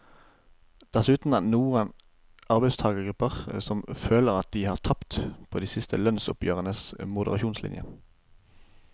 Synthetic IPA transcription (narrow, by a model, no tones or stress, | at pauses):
d̪̥ɛsʉːt̪n̩ænuːʁən | ɑʁbɛɪst̪ʰɑːɡəɡʁʉpːəʁsɔmføːləʁɑt̪̚d̪iːhɑːʁt̪ʰɑpt̪pʰoːd̪iːsɪst̪ʰəlœnsʊ̰pjøːʁənəsmʊd̪əʁɑʃuːnslɪ̰njə̰